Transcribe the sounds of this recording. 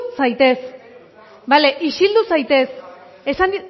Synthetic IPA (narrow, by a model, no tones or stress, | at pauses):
sajt̪e̞s | bale̞ʔisild̪usajt̪e̞s | esand̪i